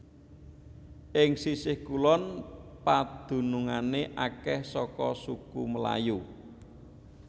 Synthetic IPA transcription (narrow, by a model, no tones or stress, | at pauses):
ʔɪŋsisɪhkulɔnpad̪̥ṳnuŋaneʔakɛhsɔkɔsukuməla̰ju